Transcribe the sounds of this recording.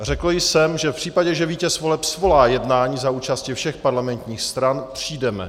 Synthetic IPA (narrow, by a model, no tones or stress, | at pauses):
r̝ɛkl̩jsɛmʒɛfpr̝̥iːpaɟɛʒɛviːcɛsvo̞lɛpsvo̞laːjɛdnaːɲiːzauːt͡ʃascifʃɛxpaɾlamɛnt̪ɲiːxst̪ɾanpr̝̥iːdɛmɛ̰